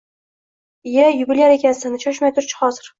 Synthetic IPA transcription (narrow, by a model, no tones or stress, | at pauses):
jajʊbɪljaɾekʲʰansɪnɪt͡ʃʰɒʃmajt̪ʊɾt͡ʃʰɪ̥χɒzɪɾ